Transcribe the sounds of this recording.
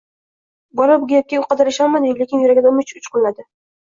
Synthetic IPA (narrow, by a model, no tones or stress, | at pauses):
bɒɾabʊɡʲajap̚kʲaʊqʰɑd̪ɪɾɪʃalˠmad̪ɪlekʲɪnjʊɾaɡʲad̪amʊt͡ʃʊt͡ʃqʊlˠnad̪ɪ